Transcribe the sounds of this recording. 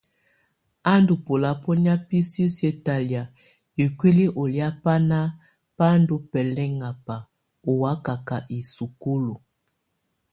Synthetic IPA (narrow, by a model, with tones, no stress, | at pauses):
a˦ndu˨po˨la˨po˦nja˦pi˦si˦sje˦ta˨lja˨ | e˨kwi˦li˦ʔo˨lja˦pa˦na˦ | pa˦ndo˦pɛ˨lɛ˦ŋa˨pa˨ | o˨wa˦ka˨ka˨ʔi˨su˨ko˦lo˨